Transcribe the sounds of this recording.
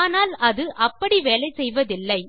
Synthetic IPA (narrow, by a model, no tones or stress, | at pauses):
naːlɐðɯʔɐpːɐɽiʋeːlɐɪsɛjʋɐðɪlːɐɪ